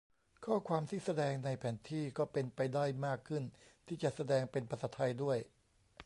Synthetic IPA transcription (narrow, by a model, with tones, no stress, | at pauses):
kʰɔː˥˩kʰwaː˧mt̪ʰiː˥˩sa˧dɛː˧ŋna˧jpʰɛː˩˦nt̪ʰiː˥˩kɔː˥˩pe˧npa˧jda˥˩jmaː˥˩kʰːɯ˥˩nt̪ʰiː˥˩t͡ɕa˨˩sa˧dɛː˧ŋpe˧npʰɾa˧saː˩˥t̪ʰːa˧jdu˥˩əj